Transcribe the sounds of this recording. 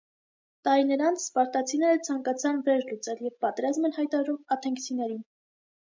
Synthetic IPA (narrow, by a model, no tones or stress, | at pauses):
t̪ɑɾinəɾɑnt͡sʰspɑɾt̪ɑt͡sʰinɛɾət͡sʰɑŋkɑt͡sʰɑnvɛɾlut͡sɛljɛvpɑt̪ɛɾɑzmɛnhɑjt̪ɑɾɑɾumɑt̪ʰɛŋkt͡sʰinɛɾin